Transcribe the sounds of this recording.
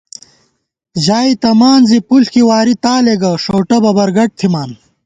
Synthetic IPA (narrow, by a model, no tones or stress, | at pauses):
ʑaːit̪ɐmaːnzipulkiwaːɾit̪aːleɡɐʂoːʈɐbɐbɐɾɡɐʈ̚t̪ʰimaːn